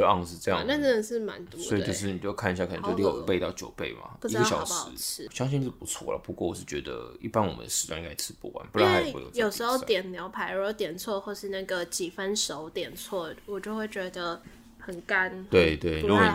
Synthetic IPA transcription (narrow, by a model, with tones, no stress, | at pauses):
ə˧˦ɑ̰˥˧ŋʂɻ̩˥˧ɤ˥˧jɑ̰˥˨ŋna˥˧ʈ͡ʂə˥˩ə˨˩ʂɻ̩˥˩ma̰˧˦nt̪wu˧˥sɔ˧˥i˨t͡ɕjo˥˧ʊʂɻ̩˥˩ni˨˩t͡ɕo˥˩˥kʰa˥˩ni˩ɕja˥˩kʰə˨˩nə˧˦t͡ɕo˥˧li˥˩jo˨pe˥˧ɪt̪ɑ˥˩ʊt͡ɕjo˨˩ʊpe˥˩ɪma̰˨˩˧i˥ɡə˥˩ɕjɑ̰˨ʊʂɑ˨˩ɻ̩ʰ˧˥˧ɕjɑ˥ŋɕi˥˧nʂ̩˥˩pu˧˥t͡sʰwɔ̰˥˩lə̰˩pu˧˥kwɔ˥˩wɔ˨˩ʂɻ̩˥˩t͡ɕɥɛ˧˥d̪ə̰˧ḭ˥˩pa˥nwɔ̰˨˩mə̰˦nd̪ə̰˧ʂɻ̩˧˥t͡swa˥˧ŋi˥ŋa˥ɪt͡sʰɻ̩˧˥pṵ˥˩wa̰˧˦npu˧˥lj̰jo˥˨˩ʊʂɻ̩˧˥xo˧ʊ˦t̪jɛ˨˩nnjɑ˧˥ʊpʰa˧˥ɪ˧˥o˥˩ʊt̪jɛ˨˩nt͡sʰwɔ˥˧xwo˥˧ʂɻ̩˥˧na˥˩ɡə˩t͡ɕi˨˩fə˦nʂo˧˦ʊt̪jɛ˨˩nt͡sʰwɔ˥˩wɔ˨˩t͡ɕjo˥˧ʊxwe˥˩ɪt͡ɕɥɛ˧˥d̪ə˧ | xə˨˩nka˦˥nt̪we˥˩ɪt̪we˥˩ɪu˧˥ɡɔ˧n˨